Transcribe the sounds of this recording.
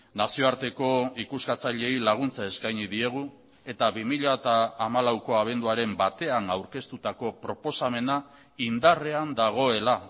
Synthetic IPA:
nasio̞aɾt̪e̞ko̞ikuskat͡saʎe̞jlaɣ̞unt͡sae̞skajɲiðie̞ɣ̞u | e̞t̪aβimiʎat̪aːmalawko̞aβ̞e̞nd̪uaɾe̞mbat̪e̞anawɾke̞st̪ut̪ako̞pɾo̞po̞same̞na | ind̪are̞and̪aɣ̞o̞e̞la

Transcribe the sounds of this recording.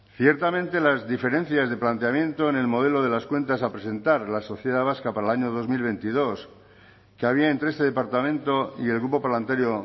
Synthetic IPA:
θje̞ɾt̪amẽ̞nt̪e̞lazðife̞ɾe̞n̟θjazðe̞plant̪eamjẽ̞nt̪o̞ene̞lmo̞ð̞elo̞ð̞e̞laskwe̞nt̪asapɾe̞se̞nt̪aɾlaso̞θje̞ð̞aβ̞askapaɾalaɲo̞ð̞o̞zmilβ̞e̞nt̪iðo̞s | keaβ̞iaent̪ɾeest̪e̞ðe̞paɾt̪amẽnt̪o̞ie̞lɣɾupo̞palant̪aɾjo

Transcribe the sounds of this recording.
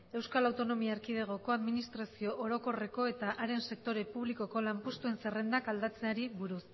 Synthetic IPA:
e̞wskalawt̪ono̞miaːɾkið̞e̞ɣ̞o̞ko̞aðminist̪ɾasio̞ʔoɾo̞ko̞re̞ko̞e̞t̪aʔaɾe̞nse̞k̚t̪o̞ɾe̞puβ̞liko̞ko̞lampust̪ue̞nsere̞nd̪akald̪at͡se̞aɾiβuɾus

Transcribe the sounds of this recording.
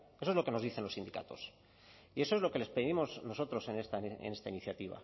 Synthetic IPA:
esoezlo̞ke̞noðiθe̞nlo̞sind̪ika̰t̪o̞s | ieso̞ezlo̞ke̞le̞speðimo̞zno̞so̞t̪ɾo̞se̞nest̪aḛne̞st̪ainiθjat̪iβa̰

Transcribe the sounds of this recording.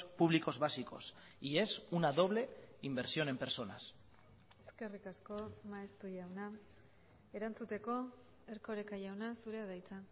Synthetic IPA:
puβliko̞zβasiko̞̰s | ie̞sunaðo̞β̞le̞imbe̞ɾsio̞ne̞mpe̞ɾso̞na̰s | eske̞rikasko̞maest̪ujawna | e̞ɾant͡sut̪e̞ko̞ | e̞ɾko̞ɾekajawnasuɾe̞að̞ajt͡sa

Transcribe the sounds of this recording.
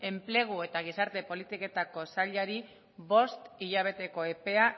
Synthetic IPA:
e̞mple̞ɣ̞ue̞t̪aɣ̞isaɾt̪e̞po̞lit̪ike̞t̪ako̞saʎaɾi | βo̞st̪iʎaβ̞e̞t̪e̞ko̞e̞pe̞a

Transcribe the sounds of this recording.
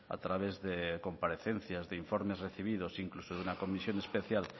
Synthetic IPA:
a̰t̪ɾaβ̞ezðekompaɾeθen̟θjazðeiɱfoɾmezreθiβ̞ið̞osiŋklusoðunakomisjonespeθjal

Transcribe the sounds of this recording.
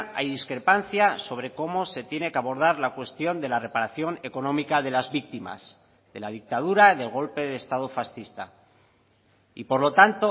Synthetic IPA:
ajðiskɾe̞panθjaso̞β̞ɾe̞ko̞mo̞se̞t̪je̞ne̞keaβo̞ɾð̞aɾlakwe̞st̪jo̞nd̪e̞lare̞paɾaθjo̞ne̞ko̞nõ̞mikaðe̞lazβik̚t̪ima̰z | ðe̞lað̞ik̚t̪að̞uɾaiðe̞lɣo̞lpe̞ðeːst̪aðofasθist̪a̰ | ḭpo̞ɾlo̞t̪ant̪o

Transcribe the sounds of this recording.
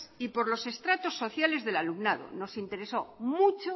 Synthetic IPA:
ipo̞ɾlo̞se̞st̪ɾat̪o̞sːo̞θjale̞zðe̞lalumnað̞o̰no̞sint̪e̞ɾe̞somut͡ʃo

